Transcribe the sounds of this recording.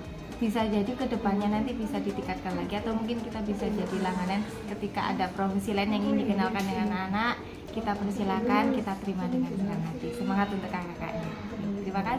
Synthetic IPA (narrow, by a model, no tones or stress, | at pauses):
b̥is̬ad͡ʒadikədəpanɲanant̪ibisadit̪ikat̪̚kanlaɡiat̪awmuŋkɪnkit̪abisad͡ʒadilaŋanan | kət̪ikaʔa̰dapɾofisilaɪnjaŋindiɡənalkandəŋananaʔ | kit̪apərist̪ilakankit̪at̪əɾimadəŋandəɾanɦat̪isəmaŋat̪unt̪ukakaka̰ʔɲat̪əɾimaka